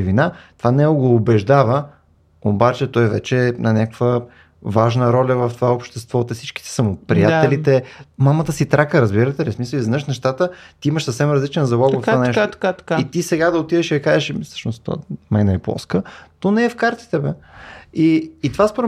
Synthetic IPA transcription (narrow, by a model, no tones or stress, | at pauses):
vinat̪ovanɛoɡoːbɛʒd̪avə | obat͡ʃɛt̪ɔjvɛ̰t͡ʃɛnɐnʲakkvə | vaʒnəɾɔlʲɐvɐft̪ovaopʃt̪ɛst̪vɔt̪ɛsit͡ʃki̥t̪ɛ̥sɐmʊpɾḭjat̪ɛlit̪ɛmamət̪əsit̪ɾakəɾəzbiɾət̪ɛlismisəliznəʃnɛʃt̪at̪ət̪iiməʃsəfsɛmɾɐzlit͡ʃɛnzɐlˠɔɡ̪vəfanɛʃait̪isɛɡad̪ɐot̪iðɛʃiɐkaɛʃsɤ̥ʃnʊst̪ɔ̰mɛjnɐɛplˠɔ̰skənonɛɛfkaɾt̪i̥t̪ɛbɛiːt̪ovaspoɾ